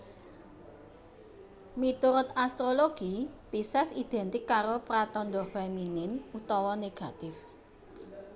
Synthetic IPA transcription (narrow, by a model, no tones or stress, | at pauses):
mit̪uɾʊt̪ast̪ɾoloɡ̥ipisɛsid̪̥ɛ̤nt̪ɪkːaɾopɾat̪ɔnd̪ɔfeminɪnut̪ɔwɔneɡ̥a̤t̪ɪf